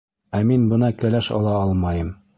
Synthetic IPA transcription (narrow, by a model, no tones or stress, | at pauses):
æminbɤ̆nɑkælæʃɑ̰lˠɑɑlˠmɑjɤm